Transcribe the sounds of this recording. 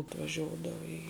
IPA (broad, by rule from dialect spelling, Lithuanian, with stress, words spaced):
ɐtʋɐˈʒʲoːdɐʋɐ iː